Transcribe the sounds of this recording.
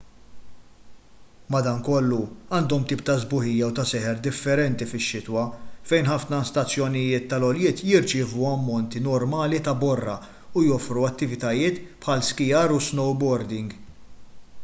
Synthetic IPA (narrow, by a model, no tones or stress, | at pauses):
mɐd̪ɐŋkɔlːuɐːnd̪ɔmt̪iːp̚t̪ɐzbʊħɪjːɐwt̪ɐsɛħɛɾd̪ɪfːɛɾɛnt̪ifɪʃːɪt̪wɐfɛjnħɐfnɐst̪ɐt͡sːjɔnɪjɪːt̪ːɐlɔljɪːt̪jɪɾt͡ʃɪːvuɐmːɔnt̪inɔɾmɐːlit̪ɐbɔrːɐ | ujɔfɾuɐt̪ːɪvɪt̪ɐjɪːt̪pħɐlskɪjɐɾusnɔwbɔɾd̪ɪŋɡ